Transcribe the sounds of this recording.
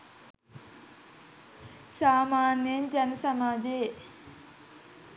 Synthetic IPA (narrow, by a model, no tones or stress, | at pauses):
saːmaːnjend͡ʑɐnəsɐmaːd͡ʑeː